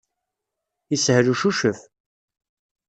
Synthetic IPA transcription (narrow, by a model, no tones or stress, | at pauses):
ishɾuʃuʃəf